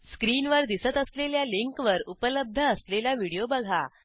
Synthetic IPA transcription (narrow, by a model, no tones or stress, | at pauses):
skɾiːnʋəɾd̪isət̪əsleljaliŋkʋəɾupələb̚d̪ʱəːslelaʋiɽijobəɡʱa̰